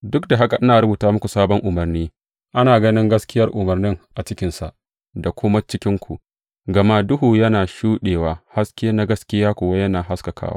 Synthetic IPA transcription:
dʊ˦k̚da˨ɦa˦ka˨ʔɪ˦naː˨ɾʊ˦buː˨taː˦mʊ˦kʷu˨saː˦bɔ˦ŋʔʊ˨mɐ˨rniː˦ | ʔa˦naː˨ɡɐ˦nɪ˦ŋɡɐ˦skʲɪ˦jɐ˦rʔʊ˨mɐ˨rnɪ˦ŋʔa˨t͡ʃɪ˦kʲɪ˦nsa̰˨ʔ | da˨kʷʊ˦ma˦t͡ʃɪ˦kʲɪ˦ŋkʷu˨ʔ | ɡɐ˨ma˦dʊ˦ɦuː˨jɐ˦naː˨ʃuː˦ɗeː˨waː˨ha˦skʲɪ˦ja˦na˦ɡɐ˦skʲɪ˦jaː˦kʷoː˨wa˦jɐ˦naː˨ɦa˦skɐ˨kʰa̰ː˦wa̰˦

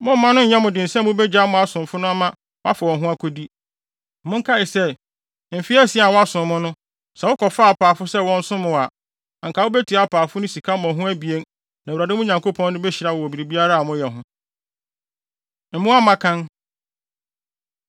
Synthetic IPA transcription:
mʊ̃˦m̩ː˨˦ã˦nʊ̃˦ɲ̩˨ɲɛ̃˦mʊ̃˨dɪ̃˨n̩˨sɛ̃˦m˦mʊ̃˦bɛ˦d͡ʑa˦mʊ̃˨a˦˨sʊ̃˨m˨fʊ˦nʊ̃˦a˦mã˦ | wa̰˦fa˨wɔ̃˨ɦʊ̃˦a˦kʰo˦di˦ | m̩˦mʊ̃˦ŋ˦kʰa˦ɪ˨sɛ˦ | m̩˨fi˦ɛ˦si˨˦a˨wɔ˦a˦sʊ̃˨mːʊ̃˦nʊ̃˦ | sɛ˨wʊ˦kʰɔ˨fa˦a˨paː˨fʊ˦sɛ˦wɔ̃˦n̩˦sʊ̃˦mʊ̃˨a˨ | a˨ŋ˨kʰa˨wʊ˦bæ˦tʰi˨a˦pʰaː˨fʊ˦nʊ̃˦si˨kʰa˦m˦ɔ̃˨ɦʊ̃˦æ˦bi˨e˦n | nã˨ɾa˨dɪ̃˦mʊ̃˦ɲã˨ŋko˦pʰɔ̃˦n˦nʊ̃˦bɛ˦ɕi˨ɾa˦˨wɔ˨ɔ˨bi˨ɾi˨bi˦a˦ɾa˦a˨mʊ̃˦jɛ˨ɦʊ̃˦ | m̩˨mʊ̃˦a˦mã˦kʰã˦n

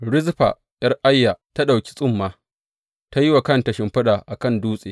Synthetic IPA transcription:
ɽɪ˦zɸa̰ː˨ | jɐ˦rʔa˦jːa˨ta˦ɗa˨wkʲi̥˦sʼʊ˦mːaː˨ | ta˦ji˦wa˨kɐ˦ntɐ˨ʃɪ˦mɸɐ˦ɗaː˨ʔa˨kɐ˦˨nduː˦sʼeː˨

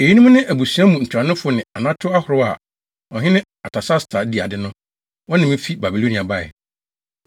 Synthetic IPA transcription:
e˨ji˦nũ˦m̃˦nɪ̃˦ʔæ˨bu˨su˨˦ã˦mũ˨n̩˨t͡ɕʰᶣa˨nʊ̃˦fʊ˦nɪ̃˨a˨nã˦tʰʊ˦a˦hʊ˨ɾʊ˦a˨ | ɔ˨ɦɪ̃˦nɪ̃˦ | a˨tʰa˨sa˦stʰa˨di˨a˨dɪ˦nʊ̃˦ | wɔ̃˦nɪ̃˨mɪ̃˦fi˦ba˨bi˨lo˦nĩ˨a˨ba˨ɛ̰˨

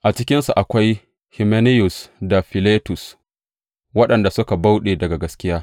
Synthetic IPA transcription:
ʔa˨t͡ʃɪ˦kʲɪ˦nsu˨ʔa˨kʷa˦j | hɪ˨me˦nɪ˦jʊ˨sda˨ɸɪ˨leː˦tʊ˨s | wɐ˦ɗɐ˨nda˨sʊ˦ka˨ba˦wɗeː˨dɐ˨ɡa˨ɡɐ˦skʲɪ˦jaː˦

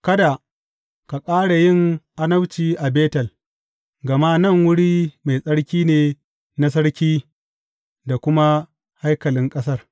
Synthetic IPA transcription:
kɐ˦da˨ | ka˨kʼaː˦ɽa˨jɪ˦˨ŋʔa˦nɐ˦wt͡ʃiː˦ʔa˨beː˦tɐ˨l | ɡɐ˨ma˦nɐ˦˨ŋwʊ˦ɽiː˦ma˨jsʼɐ˦ɽkʲiː˦neː˨ | na˦sɐ˦ɽkʲiː˦ | da˨kʷʊ˦ma˦ | ha˦jkɐ˨lɪ˦ŋkʼɐ˦sɐ˦˨r

